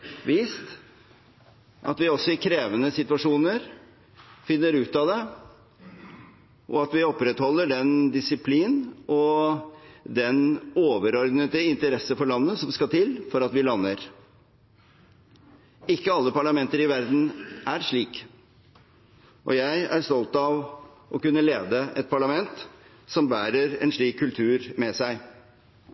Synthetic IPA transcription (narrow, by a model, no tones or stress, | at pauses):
ʋiːst̪ | ʔɑ̰t̪ʋɪɔsːɔɪkʰɾeːʋənəsɪt̪ʉɑʂuːnəɾ | fɪnːəɾʉːt̪ɑd̪ɛ | ʔɔɑt̪ʋɪɔpːɾɛt̪hɔlːəɖɛnd̪ɪsɪpʰliːnʔɔ | d̪ɛnoːʋəɾɔɾd̪nət̪əɪnt̪əɾɛsːəfɔɭɑnːəsɔmskɑlt̪ʰɪlfɔɾɑt̪ʋɪlɑnːəɾ | ɪkːəɑlːəpɑɭɑmɛnt̪əɾɪʋæɾd̪n̩æɾʂɭiːk | ʔɔ̰jæɪæ̰ɾst̪ɔlt̪ɑʋ | ʔɔkʉnːəleːd̪əʔɛt̪̚pʰɑɭɑmɛnt̪ | sɔmbæːɾəɾɛ̰nʂɭiːkʰːʉlt̪ʰʉːɾmɛsæɪ